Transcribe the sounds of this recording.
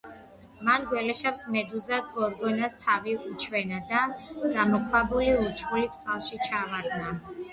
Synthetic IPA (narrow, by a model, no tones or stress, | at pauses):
manɡwɛlɛʃapsmɛd̪uzaɡɔɾɡɔnast̪ʰaviut͡ʃʰwɛnad̪ad̪amɔkʰwabuliut͡ʃʰχulit̪sʼqʼalˠʃit͡ʃʰavaɾd̪na